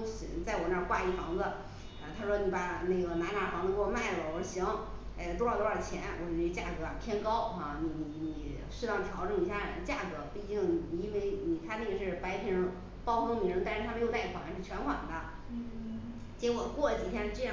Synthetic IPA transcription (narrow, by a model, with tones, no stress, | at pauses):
ɕi˧˥nt͡sa˥˩ɪwɔ˨˩na˥˧˥kwa˥˧i˥˩fɑ˧˥ŋd͡zə˧ | ə˧t̪ʰa˥ʂwɔ˥ni˧˥˩pa˨˩ne˥˩ɡə˩na˧˥na˧˥fɑ˧˥ŋd͡zə˧wɔ˥˧ma˥˩ɪlə˩wɔ˧˩˧ɕi˧˥ŋ | e˧t̪wɔ˞˥˩t̪wɔ˥˩t͡ɕʰjɛ˧˥nwʔt͡ɕt͡ɕja̰˥˩kɤ˧˥a˨˩pʰjɛ˥nkɑ˥ʊxa˥˩ni˨˩ni˨˧˩ni˨˩ | ʂ̩˥˧˥ɑ˥˩ŋt̪ʰjɑ˧˥ʊʈ͡ʂɤ˥˩ŋi˧˨˩ɕja˥˩ə̰˧˥˧t͡ɕja˥˩kɤ˧˥pu˥˩i˧˥t͡ɕi˥˩ŋ˨i˨˩i˥nwe˥˩ɪni˨˩t̪ʰa˥ne˥˩ɡə˨˩ʂɻ̩˥˩pa˧˥ɪp̪ʰi˧˥ɻ | pɑ˥ʊxʰo˥ni˨˩ɻə˧˥nt̪ʂɻ̩ʰ˥˧a˥˧˥jta˥˩i˥˩fa˧˨˥ŋa˧˥ʂɻ̩˥˩t͡ɕʰɥɛ˧˥nxwa̰˨˩nd̪ə˦ | t͡ɕɛ˥wɔ˨˩kwɔ˥˩˧t͡ɕi˨˩t̪ʰjɛ˥n̩˥˧ʈ͡ʂɻ̩˥ɻa˧˥